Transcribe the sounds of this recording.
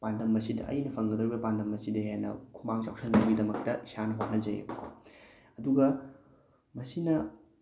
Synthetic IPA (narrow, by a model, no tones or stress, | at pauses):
pandɐmːɐsidɐ̰ʔɐ̰jnɐpʰɐŋɡɐd̪ɾibɐpandɐmːɐsidɐɦenɐ̰kʰumaŋsawsʰɐnmɐŋɡidɐmɐk̚tɐisanɐɦwanɐzɐ̰j̰kʰo̰ | ɐduɡɐ | mɐsinɐ